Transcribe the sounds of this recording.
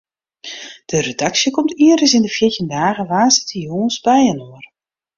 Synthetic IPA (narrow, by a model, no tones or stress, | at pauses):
d̥əredaksjəkɔmtʰiərdəsɪndəfjɪtindaːɣəʋaːsɪ̥təjoːnsbɛjənoər